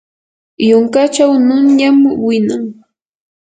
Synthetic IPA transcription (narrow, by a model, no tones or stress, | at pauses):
jʊŋkat͡ʃawnʊɲamwɪnaŋ